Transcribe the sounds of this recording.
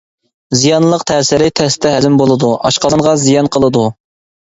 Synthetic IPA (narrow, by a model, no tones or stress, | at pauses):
zijɑnlˠəqt̪ʰæːsɪɾɪt̪ʰɛst̪ʰɛɦɛzɪmbolˠɨd̪uʔɑʃqɑnʁɑzijɑnqʰəlˠɨd̪u